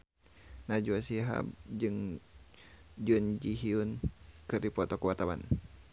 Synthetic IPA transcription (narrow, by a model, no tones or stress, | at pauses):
nad͡ʒuasiɦa̰bd͡ʒɨŋ | d͡ʒund͡ʒiɦiunkɨrdipɔt̪ɔkwat̪awa̰n